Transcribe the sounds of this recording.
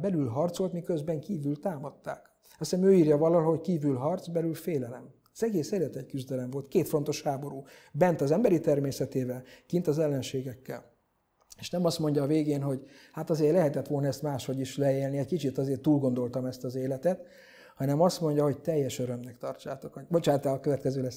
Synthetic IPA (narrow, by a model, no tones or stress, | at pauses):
bɛlylɦɒrt̪so̞lt̪mikøzbɛŋkiːvylt̪aːmɒt̪ːaːk | ɒsɛmøːiːrjɒvɒlɒɦo̞ckiːvylɦɒrt̪sbɛlylfeːlɛlɛm | z̥ɛɡeːseːlɛt̪ɛckyzd̪ɛlɛɱvo̞lt̪keːt̪fo̞nt̪o̞ʃhaːbo̞ɾuːbɛnt̪ɒzɛmbɛɾit̪ɛrmeːsɛt̪eːvɛlkint̪ɒzɛlːɛnʃeːɡɛkːɛ̰l | eːʃnɛmɒst̪mo̞ɲɟɒːveːɡeːnɦo̞ɟhat̪ɒzeːrlɛɦɛt̪ɛt̪ʋo̞lnɒɛst̪maːʃho̞ɟiʃlɛeːlniɛɟkit͡ʃit̪ɒzeːrt̪uːlɡo̞nd̪o̞lt̪ɒmɛst̪ɒzeːlɛt̪ɛt̪ | hɒnɛmɒst̪mo̞ɲɟɒɦo̞ɟ̚t̪ɛjːɛʃøɾø̞mnɛkt̪ɒrt͡ʃaːt̪o̞koɟbo̞t͡ʃaːt̪alɒkøvɛt̪kɛzøːlɛs